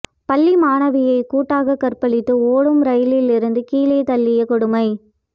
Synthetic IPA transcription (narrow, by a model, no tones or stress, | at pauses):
pɐlːimaːɳɐʋɪjɐɪkuːʈːaːɣɐkːɐrpɐɭɪt̪ːɯoːɽɯmɾɐjɪlɪlɪɾɯnd̪ɯkiːleːt̪ɐlːɪjɐkʊɽɯmɐɪ